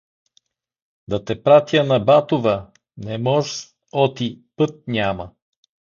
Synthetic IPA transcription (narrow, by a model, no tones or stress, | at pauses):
d̪ɐt̪ɛpɾat̪jənɐbat̪ovə | nɛmɔʒ | ɔt̪ipɤt̪̚nʲamɐ